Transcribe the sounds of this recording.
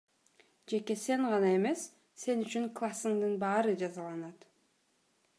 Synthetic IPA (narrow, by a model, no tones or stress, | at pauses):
d͡ʒe̞ke̞se̞ɴʁɑnɑe̞me̞sː | e̞nyt͡ʃyŋklˠasːɯŋd̪ɯnbɑːɾɯd͡ʒɑzɑlˠɑnɑt̪